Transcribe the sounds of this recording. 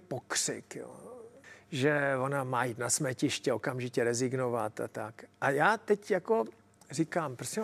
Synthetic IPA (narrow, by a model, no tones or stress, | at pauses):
pokr̥ɪ̰kjo̰ | ʒɛvo̞namaːjit̪nasmɛcɪʃcɛo̞kamʒɪcɛɾɛzɪɡnovat̪a̰t̪akʔajaːt̪ɛcjako̞ | rɪkaːmpɾosʲɛ